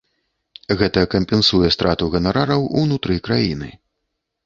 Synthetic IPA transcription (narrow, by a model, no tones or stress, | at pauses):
ɣɛt̪ɐkɐmʲpʲɛnsujɛst̪ɾat̪uɣɐnaɾaɾɐwṵnut̪ɾɨkɾajinɨ̰